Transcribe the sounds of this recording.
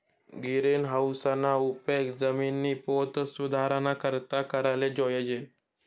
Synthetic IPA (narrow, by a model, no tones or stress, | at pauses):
ɡiɾenɦawsanaupekd͡zəminːiːpot̪sud̪ʱaɾanakəɾt̪akəɾaled͡ʒɔjed͡ʒe